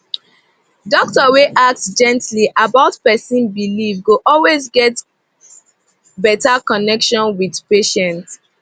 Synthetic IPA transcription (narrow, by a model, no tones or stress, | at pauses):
dɔk̚tɔweʔak̚tsd͡ʒɛ̃ntliʔabaʊtpɛsĩnbilivɡoʔɔlwezɡɛt | bɛtakɔnɛkʃɔ̃nwidpeʃɛ̃nt